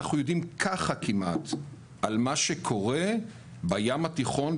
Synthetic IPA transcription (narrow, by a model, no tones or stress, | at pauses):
aχujo̞dimkʰaχakimʔa̰t̪ | ʔalmaʃe̞kʰo̞ʁe̞ | bajamat̪iχo̞n